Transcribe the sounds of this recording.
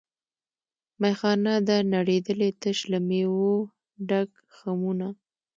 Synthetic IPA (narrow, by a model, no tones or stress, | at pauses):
majxɑnad̪anaɽed̪əlet̪əʃlamewo | ɖaɡ | xamuna